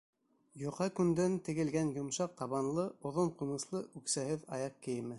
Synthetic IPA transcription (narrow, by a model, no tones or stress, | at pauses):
jŏqhɑkʉnd̪ænt̪ɘ̆ɡɘ̆lɡænjŏmʃɑq̚t̪ɑβɑnlˠɤʔŏðoɴqŭnɤ̆slˠɤʔʉksæhɘðɑ̰jɑq̚kɘ̆jɘ̆mɘ